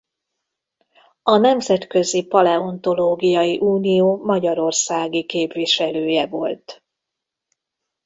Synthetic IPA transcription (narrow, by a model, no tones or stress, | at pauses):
ɒnɛmzɛt̪kø̞zipɒlɛo̞nt̪o̞loːɡijɒjiʔuːnijoːmɒɟɒɾo̞rsaːɡikeːpʋiʃɛløːjɛvo̞lt̪